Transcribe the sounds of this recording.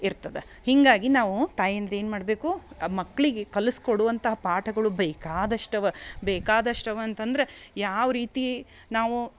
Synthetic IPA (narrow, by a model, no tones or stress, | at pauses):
iɾt̪ɐd̪e | hiŋɡaːɡinaːʋut̪aːjɐnd̪ɾee̞ːnmaːɽɐbeːkumɐkːɭiɡekɐluskoɽuʋɐnt̪ɐɦɐpaːʈʰɐɡɐɭubeːkaːd̪ɐʂʈɐʋɐbɛːkaːd̪ɐʂʈɐʋɐːnt̪ɐnd̪ɐɾejaːʋɐɾiːt̪i | naːʋu